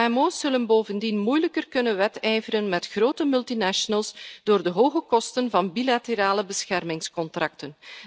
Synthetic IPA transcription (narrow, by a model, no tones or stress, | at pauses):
aɛmoːsːɵlənboːvəndinmujləkərkɵnənʋɛtɛjvərənmɛtxroːtəmʏlˠtinaʃɔnəlˠsd̥oːrdəɦoːɣəkɔstənvɑnbilateɾaːləbəsxɛrmɪŋskɔntrɑk̚tən